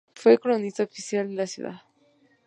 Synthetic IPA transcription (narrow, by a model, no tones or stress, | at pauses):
fwekolonist̪aofisjald̪elasjṵða̰ð